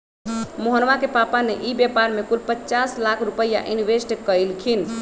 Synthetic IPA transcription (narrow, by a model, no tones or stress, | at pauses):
moɦənʋakepapaneʔibjɛpaɾmekulpətːt͡ʃaslakʰɾupəja̰ʔiniʋesʈkəjlkʰin